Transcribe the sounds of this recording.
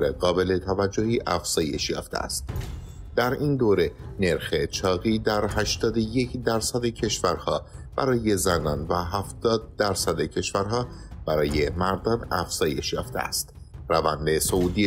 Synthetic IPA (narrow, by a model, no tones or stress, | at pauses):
ɾeɢɒːbe̞le̞t̪ʰævæd͡ʒːo̞hiːʔæfz̥ɒːje̞ʃjɒ̰ːft̪e̞̰ʔæ̰st̪̚ | d̪̥æɾind̪oːɾe̞ne̞ɾxe̞t͡ʃʰɒːɣiːd̪æɾɦæʃt̪ɒːd̪oje̞cʰd̪æɾsæd̪ecʰe̞ʃvæɾhɒːb̥æ̰ɾɒːje̞zænɒːnvæɦæfd̪ɒːd̪̚ːæɾsæd̪ecʰe̞ʃvæɾɦɒːb̥æɾɒːje̞mæɾd̪ɒːnæ̰fz̥ɒːje̞̰ʃjɒːft̪eæ̰st̪ | rævænd̪e̞souːd̪i